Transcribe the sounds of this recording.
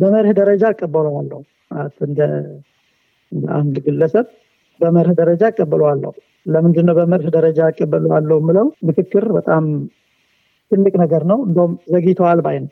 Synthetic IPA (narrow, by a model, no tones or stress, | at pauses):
bəməɾhd̪əɾəd͡ʒaːkʼːəbːəlwalːə̰hu | malət̪ːɨnd̪ə | ɨnd̪ə̰ʔa̰nd̪ɡɨlːəsəβ | bəməɾhd̪əɾəd͡ʒakʼːəbːəlowalːə̰hu | ləmɨnd̪ɨnːəwbəməɾhd̪əɾəd͡ʒakʼːəbːəloalːəhmːɨləwmɨkɨkːɨɾbət̪ʼam | t̪ʰɨlːɨkʼnəɡəɾnəwɨnd̪əwumzəɡit̪ʰəwalbajnə